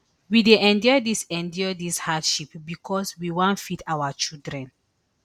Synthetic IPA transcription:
wideʔɛ̃ndiɔdisɛ̃ndɔdishadʃipbikʰɔswiwãnfitʰawat͡ʃildɹɛ̃n

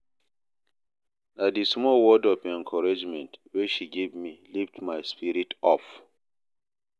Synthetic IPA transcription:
dadismɔwɔdɔpɛ̃ŋkʰɔɹad͡ʒmɛ̃ntweʃiɡevmiliftmaɪspiɾitɔf

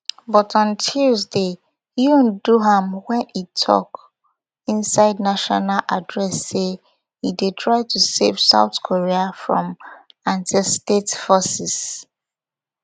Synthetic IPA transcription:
bɔtɔ̃ntʰuzde | junduɦãmwɛ̃nitʰɔ̰k | ɪ̃nsaɪdnaʃɔnalʔadɹɛsːe | hidetʰɹaɪtʰusevsa̰ʊtkʰoɹiafɹɔ̰̃m | ãntistetfɔsɪs

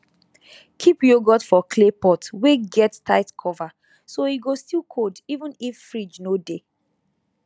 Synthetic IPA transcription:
kʰipjoɡɔtfɔkʰlepɔtweɡɛttʰaɪtkʰɔva | soiɡostilˠkʰodivə̃nifːɹid͡ʒnode

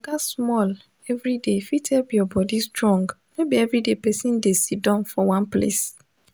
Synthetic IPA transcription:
ɡasmɔl | ɛvɾidefitʰɛlbijɔbɔdistɾɔ̃ŋɡmebiɛvɾidepɛsĩndesidãnfɔwãnplḛs

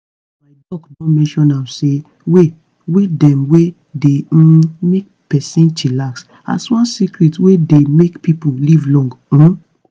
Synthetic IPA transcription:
maɪdɔknɔmɛ̃nʃɔ̃nãse | we | wedɛ̃mwe | demek̚ | pɛsɛ̃ntilaks | a̰swɔ̃nsikɹitwedemekpipolivlɔ̃ŋɡ̩̃

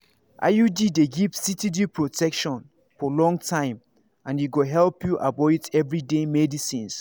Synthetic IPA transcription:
ʔa̰judideɡivsitidipʰɹotʰɛkʃɔ̃n | fɔlɔ̃ŋtʰãɪ̃m | ãnjuɡoɦɛlpjuʔabɔɪtɛvɹidemɛdisĩns

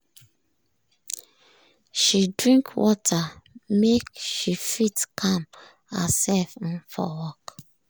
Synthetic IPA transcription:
ʃidɹĩŋkʰwɔtʰamekʃifitkʰãm | hə̰sɛlf̩nfɔ̰wɔk

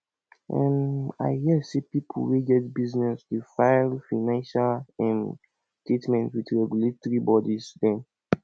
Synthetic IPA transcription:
ʔɛ̃ma̰ɪhisipipʰṵweɡɛdbiznɛsdifaɪlfaɪnãnʃalɛ̃n | tɹitmɛ̃ntwit͡ʃɹɛɡjuletθɹibɔdisdɛ̃n

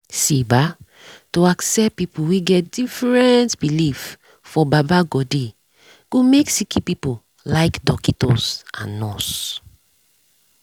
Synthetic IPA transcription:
siba | toaksɛp̚pipuwiɡɛt̚d̥ifɹɛntb̥ilif | fɔbabaɡɔdi | ɡ̥omeksikipipu | laɪkdɔkitɔsã̰nːɔs

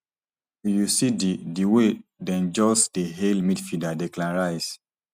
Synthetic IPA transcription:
ujusididiwedɛ̃nd͡ʒɔsdeɦelmidfidadɛklãɹajs

